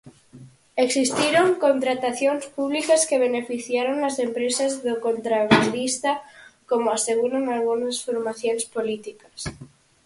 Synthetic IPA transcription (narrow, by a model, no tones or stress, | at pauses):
eksist̪iɾoŋkont̪ɾat̪aθjo̞nspuβ̞likaskeβ̞enefiθjaɾoŋlasempɾesazðokont̪ɾaβaðist̪akomoaseɣ̞uɾaŋalɣunasfoɾmaθjonespolit̪ikḁs